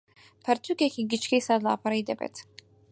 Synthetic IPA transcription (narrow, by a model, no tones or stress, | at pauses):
pʰɛɾt̪ʰukɛkʰiɡit͡ʃkʰisad̪la̰ːpʰaɾid̪ɛbɛ̰t̪ʰ